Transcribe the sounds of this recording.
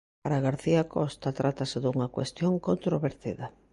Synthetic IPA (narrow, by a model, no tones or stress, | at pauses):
paɾaɣaɾθiakɔst̪at̪ɾʔat̪aseðuŋɐkwest̪joŋkont̪ɾoβeɾt̪iðɐ